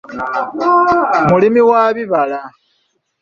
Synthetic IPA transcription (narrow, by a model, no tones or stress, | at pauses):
mulimiwaβiβala